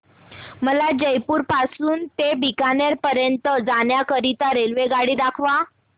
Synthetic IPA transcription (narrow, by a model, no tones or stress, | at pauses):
məlad͡ʑəjpuːɾpasuːnt̪ebikanaɾpəɾjənt̪əd͡zanjakəɾit̪aɾelʋeɡaɽiːd̪akʰʋa